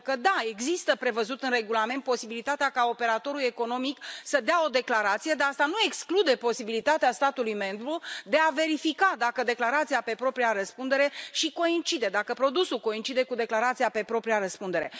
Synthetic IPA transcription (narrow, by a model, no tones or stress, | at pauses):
kəd̪ae̞ɡzist̪əpɾe̞vəzut̪ɨnre̞ɡulament̪̚po̞sibilit̪at̪eakao̞pe̞ɾat̪o̞ɾulje̞ko̞no̞miksəd̪ao̞d̪e̞klaɾat̪sijed̪east̪anue̞ksklud̪e̞po̞sibilit̪at̪east̪at̪ulujme̞mbɾud̪e̞ave̞ɾifikad̪akəd̪e̞klaɾat̪sijape̞pɾo̞pɾiaɾəspund̪e̞ɾe̞ʃiko̞int͡ʃid̪ed̪akəpɾo̞d̪usulko̞int͡ʃid̪e̞kud̪e̞klaɾat̪sijape̞pɾo̞pɾiaɾəspund̪e̞ɾe̞